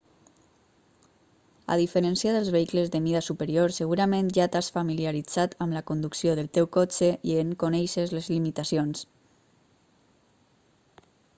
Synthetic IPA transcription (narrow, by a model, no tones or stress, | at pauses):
a̰ðifəɾənsiaðəlzβeikləzðəmiðasupəɾioɾsəɣuɾamẽnʒat̪asfamiliaɾid͡zat̪əmləkund̪uksioðəlˠt̪ewkot͡ʃeʔieŋkonɛjʃezləzlimit̪asions